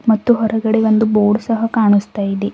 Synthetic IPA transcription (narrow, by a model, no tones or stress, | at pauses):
mɐt̪ːuɦɔɾɐɡɐɽeʋond̪uboːɖsɐɦɐkaːɳust̪aːjid̪i